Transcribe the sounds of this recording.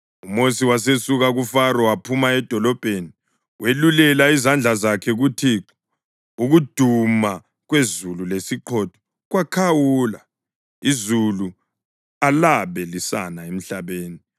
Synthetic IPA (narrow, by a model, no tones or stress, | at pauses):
umosiwas̬esuɣaɣufaɾɔwapʰumaɛd̥ʱɔlɔb̥ʱeni | wʔelulɛlaizand͡ɮʱazakʰɛɣutʰiǁɔ | uɣud̥ʱuma | ɣwezululesiǃʰɔd̥ʰʱɔ̥ | ɣwakʰawula | izulu | alaβɛlisa̰naem̩ɬaβeːni